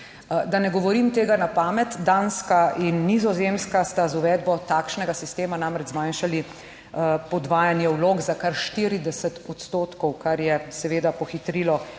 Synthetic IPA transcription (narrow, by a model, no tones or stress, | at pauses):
d̪anɛɡɔʋɔɾimt̪eːɡanapaːmɛt̪d̪anskaʔinːizɔzemskast̪azuʋɛːd̪bɔt̪aːkʃnɛɡasist̪eːmanamɾɛd͡ʒzmanʃali | pɔd̪ʋaːjanjɛwloːɡzakaɾʃt̪iɾid̪ɛsət̪ɔt̪st̪oːt̪kɔwkaɾjɛsɛʋeːd̪apɔxit̪ɾiːlɔ